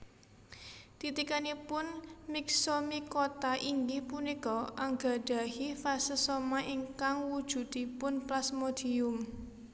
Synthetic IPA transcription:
t̪it̪ikanipʊnmɪksomikot̪aʔiŋɡihpunikɔʔaŋɡa̤ɖ̥a̤hifasəsomaʔiŋkaŋwud̥ʒ̥ṳt̪ipʊnplasmod̪̥iʊm

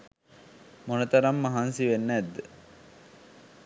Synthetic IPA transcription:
monət̪ɐɾɐmːɐɦansiʋenːæd̪ːə

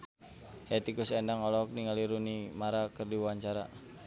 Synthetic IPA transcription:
hat̪ikusɛndaŋɔlɔk̚niŋaliɾunimaɾakərdiwuaɲt͡ʃaɾa̰

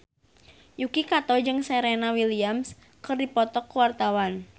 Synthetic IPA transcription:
jukikat̪ɔd͡ʒɨŋseɾenawiliams | kərdipɔt̪ɔkːuwart̪awan

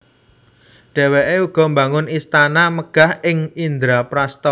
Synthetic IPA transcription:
ɖ̥ɛ̤weʔeuɡ̥ɔ̤mba̤ŋʊnist̪anaməɡ̥a̤hɪŋind̪ɾapɾast̪ɔ

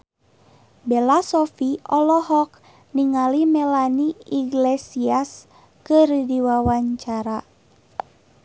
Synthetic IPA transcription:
bɛlasɔfiɔlɔɦɔk̚ | niŋalimɛlaniiɡlesias | kɨrdiwawaɲt͡ʃaɾa

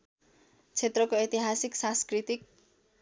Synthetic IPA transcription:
t͡sʰet̪rʌkoit̪iɦasiksãskrit̪ik̚

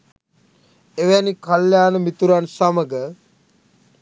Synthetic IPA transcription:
eʋænikaljaːnəmit̪uɾansaməɡə

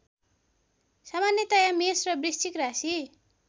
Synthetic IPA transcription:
samanjet̪ajamesrʌbrist͡ʃikrasi

